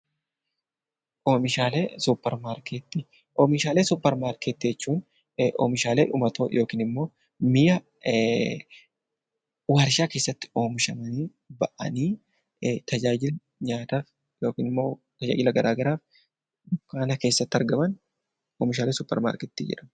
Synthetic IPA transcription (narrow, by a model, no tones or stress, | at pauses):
ʔoːmɪʃaːleːsupːɛɾmaːɾket̪ːɪ | ʔoːmɪʃaːleːsʊpːɛɾmaːɾkɛt̪ːɪd͡ʒɛt͡ʃːuːn | ʔo̰ːmɪʃaːleːᶑʊmɐt̪o̰ːjʔo̞ːkiːnɪmːo̞ː | mɪjɐ | waːɾʃaːke̞ːsːɐt̪ːɪ̥o̞ːmɪʃɐmɐniː | bɐʔɐ̰niː | t̪ɐd͡ʒaːd͡ʒɪl | ɲaːt̪aːf | jo̞ːkiːnɪmːo̞ː | t̪ɐd͡ʒa̰ːd͡ʒɪlɐɡɐɾʔaːɡɐɾaːf | ʊkːaːnɐke̞ːsːɐt̪ːɐɾɡɐmɐn | oːmɪʃaːleːsʊpːɛ̰ɾma̰ːɾkɛt̪ːid͡ʒɪ̰ᶑɐ̥